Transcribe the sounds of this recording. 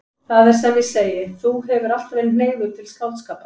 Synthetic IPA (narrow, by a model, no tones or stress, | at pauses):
θaðɛɾ̥sɛmvɪseːjɪθuɦɛvʏɾal̥t̪vɛln̥eːjlʏt̪ʰɪlskawt̪skaːpa